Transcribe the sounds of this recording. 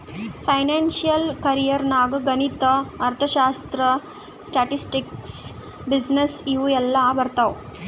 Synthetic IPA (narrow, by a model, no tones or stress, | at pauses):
pʰɐjnaːnʃijɐlkɐɾijɐɾnaːɡɐɡɐnit̪ɐɐɾt̪ʰɐʃaːst̪ɾɐ | sʈaːʈisʈiks | bid͡ʒnesiʋuɛlːɐːbɐɾt̪ɐʋ